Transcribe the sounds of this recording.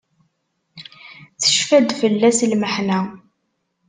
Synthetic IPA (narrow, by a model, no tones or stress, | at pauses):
θə̥ʃfæd̪fəlːæslməħnæ